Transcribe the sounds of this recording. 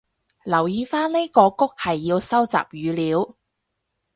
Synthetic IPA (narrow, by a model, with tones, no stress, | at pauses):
lɐ˨˩wjiː˨˧faː˥nle˥kɔː˧kʊ˥k̚hɐ˨jːiː˧wsɐ˥wt͡sa̰ː˨p̚jyː˨˧liː˨˧˥w